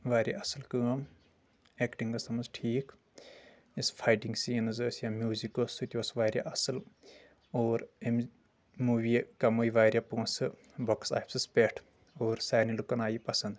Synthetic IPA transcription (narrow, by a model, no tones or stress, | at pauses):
ʋaːɾjaʔɐsɨlkɨːm | ekʈiŋɡɐst̪ɐmɐnzʈʰiːk | isfʰajʈiŋɡsiːnɨzəːsjamjuːzikosut̪ʲoːsʋaːɾʲja̰ʔɐsɨl | oːɾem | muːʋikɐmoːjiʋaːɾʲjapũːnsɨ | boksa̰ːpsɨspeʈʰ | oːɾsaːnilukɐnaːjipɐsɐnd̪